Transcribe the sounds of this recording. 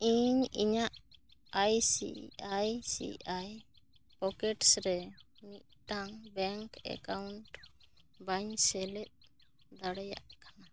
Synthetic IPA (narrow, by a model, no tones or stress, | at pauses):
iɲḭɲaʔajsḭajsḭʔaj | pɔkɛʈsɾɛniʔ̚ʈaŋbɛŋkɛ̰kawɳʈ | baɲsɛlɛt̪̚ | d̪aɽɛja̰ʔkana